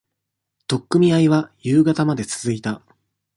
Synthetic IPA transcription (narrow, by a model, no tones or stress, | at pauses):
t̪o̞kːɯ̟mʲiaiβajɯːɡat̪amad̪e̞t͡sɨ̥zɨit̪a